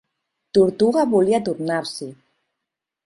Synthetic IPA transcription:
t̪uɾt̪uɣaβuliat̪uɾnaɾsi

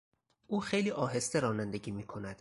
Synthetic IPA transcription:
ʔuːxejliːʔɒːɦe̞st̪e̞ɾɒːnænd̪eɟiːmiːkʰo̞næd̪̥

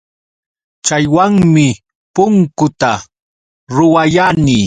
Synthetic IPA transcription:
t͡ʃajwaŋmɪ | pʊŋkʊt̪a | ɾʊwajaniː

